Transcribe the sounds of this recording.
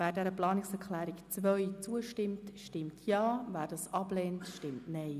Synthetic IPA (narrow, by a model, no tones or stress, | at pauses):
væːɾdɛɾəplɑːnɪksɛɾklæːɾɪkt͡sʋœʏt͡suəʃtɪmtʃtɪmtʰjɑːvæːɾdɑːsɑb̥leːntʃtɪmtnɛɪ